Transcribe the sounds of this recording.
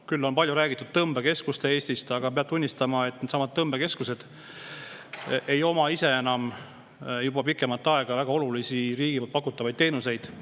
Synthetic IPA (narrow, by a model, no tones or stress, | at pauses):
kylːo̞npɑlʲjuɾæːɡit̪ːud̪̥̚t̪ɤmbeke̞skust̪e̞e̞ːsʲt̪ist̪ɑɡ̥ɑpe̞ɑt̪unʲːist̪ɑmɑe̞t̪net̪sɑmɑd̪̥̚t̪ːɤmbe̞ke̞skuse̞d̪̥ | ʔe̞jo̞mɑise̞e̞nɑm | jubɑpikːˑe̞mɑlt̪ːɑe̞ɡ̥ɑvæɡ̥ɑo̞lulisiɾiːɡ̥iol̚pɑkut̪ːˑɑvɑjd̪̚t̪e̞ːnuse̞jd̪̥